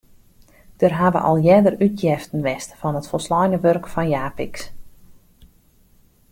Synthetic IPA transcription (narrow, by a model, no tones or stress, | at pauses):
d̥ərɦaʋə̰ʔɔ̰lˠjɛdəryt̚jɛftən̩ʋɛstfɔnətfɔlˠslɔjnəʋørkfɔnjaːpiks